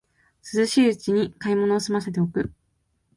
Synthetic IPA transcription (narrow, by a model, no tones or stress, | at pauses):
sɨzɨɕiːɯt͡ɕiɲ̟ikaimo̞no̞ːsɨmaset̪̬e̞okɯ̟